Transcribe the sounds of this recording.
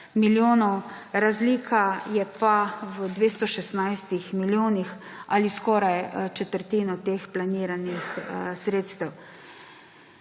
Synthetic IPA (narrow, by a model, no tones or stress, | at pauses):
miljoːnɔw | ɾazliːkʰajɛpawəd̪ʋeːst̪ɔʃɛsnajst̪ixmiljoːnixaliskɔːɾajt͡ʃɛt̪əɾt̪iːnɔt̪eːxplaniːɾanixsɾeːt̪st̪ɛw